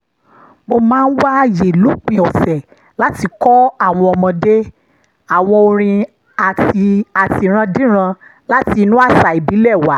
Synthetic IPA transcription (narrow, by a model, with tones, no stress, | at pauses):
mo˧mãː˦n̩˦wa˦je˨lu˨˦k͡pĩ˨ɔ˨sɛ˨ | la˦ti˧kɔ˦a˦˨w̃ɔ̃˧ɔ˧mɔ̃˧de˦ | a˦˨w̃ɔ̃˧o˧ɾ̃ĩ˧ | a˨ti˧a˨ti˧˨ɾ̃ã˧dĩ˦ɾ̃ã˧la˦ti˧nũ˦a˦˨sa˨i˨bi˨˦lɛ˦˨wa˨˦